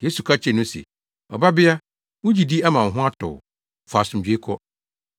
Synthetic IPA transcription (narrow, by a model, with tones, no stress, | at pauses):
je˦su˨kʰa˦t͡ɕʰɛ˦˨nʊ̃˦sḛ˨ | ɔ˨ba˦bɪ˦a˦ | wʊ̃˦d͡ʑi˨di˦a˦mã˨n̩˨ɦʊ̃˦a˦tʰʊ̰˨ | fa˨sʊ̃˨m˨d͡ʑᶣe˨˦kʰɔ˦